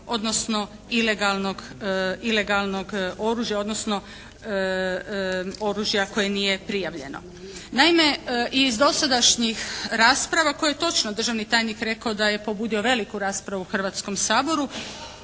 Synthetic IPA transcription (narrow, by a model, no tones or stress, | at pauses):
o̞d̪no̞sno̞ | ile̞ɡalno̞ɡile̞ɡalˠno̞ɡo̞ɾuːʒjao̞d̪no̞sno̞ | o̞ɾuːʒjako̞jenije̞pɾijaʋʎe̞̰no̰ | naime̞ʔiːzd̪o̞sad̪aʃɲixɾaːspɾaʋako̞jejet̪o̞t͡ʃnod̪r̩ʒaʋnit̪aːjnikɾe̞kaod̪aje̞po̞buːd̪io̞ʋe̞likuɾaːspɾaʋuxr̩ʋat̪sko̞msaːbo̞ɾu